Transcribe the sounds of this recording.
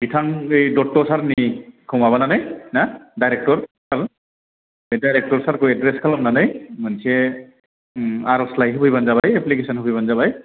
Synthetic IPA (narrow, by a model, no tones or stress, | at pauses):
bitʰaŋejdɔtːɔsaɾnikʰɔmaβananajnadajɾɛk̚tɔɹsaɹ | edajɾɛk̚tɔɹsaɾkojɛdɾɛskʰalamnanajmansiɛ | aɾɔslajɦbujbanzabajɛplik̬esɔnɦbojbanzaβaj